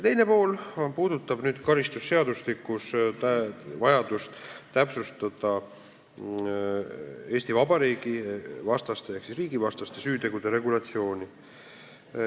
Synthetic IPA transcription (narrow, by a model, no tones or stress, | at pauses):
t̪e̞jne̞po̞ːlpuːd̪ut̪ːˑɑb̥nyːd̪̥kɑɾist̪usːe̞ɑd̪uslikːˑust̪ævɑjɑd̪̥ust̪t̪æpsust̪ɑd̪̥ɑ | e̞ːst̪ivɑbɑɾiːɡ̥ivɑst̪ɑst̪ejeksisriːɡ̥ivɑst̪ɑst̪e̞syːt̪e̞ɡ̥ud̪̥e̞ɾe̞ɡulɑt̪sio̞ːnʲi